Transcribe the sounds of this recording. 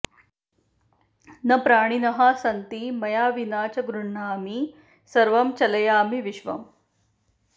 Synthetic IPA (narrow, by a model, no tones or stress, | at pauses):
nɐpɾaːɽ̃inɐɦaːsɐnt̪imɐjaːʋinaːt͡ɕɐɡɾuɳːaːmi | sɐɾʋɐmt͡ɕɐlɐjaːmiʋiʃʋɐ̰m